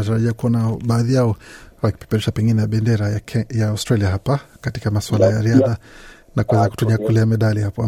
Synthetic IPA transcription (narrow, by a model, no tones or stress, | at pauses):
ataɾaʄiakuɔnaɓaːðijaɔwaki̥pɛ̥pɛɾɛʃapɛŋɡinɛjaɓɛndɛɾajaastɾaliaɦapakatikamaswalajaɾiaða | nakuwɛzaku̥tuɲiakulɛamɛɗalihapɔa